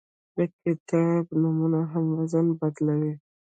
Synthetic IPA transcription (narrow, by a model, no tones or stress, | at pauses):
bekɪt̪abnumunaɦamwazanbad̪lawi